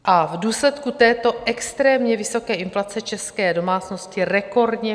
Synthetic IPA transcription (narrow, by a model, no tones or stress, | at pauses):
ʔavduːslɛt̪kut̪ɛːt̪o̞ʔɛkst̪ɾɛːmɲɛvɪso̞kɛːʔɪnflat͡sɛt͡ʃɛskɛːdo̞maːt͡sno̞scɪrɛko̞rdɲɛ